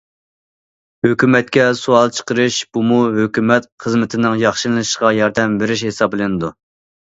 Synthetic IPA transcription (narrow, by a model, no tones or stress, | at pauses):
høkʲymɛt̪̚kʲɛsuɑlˠt͡ʃʰə̥qəɾɨʃb̥umuɦøkʲymɛt̪χəzmɪt̪ʰɪnɪŋjɑχʃɨnlʃqɑjɑɾd̪ɛmbeɾɪʃhesɑblˠɨnɨd̪u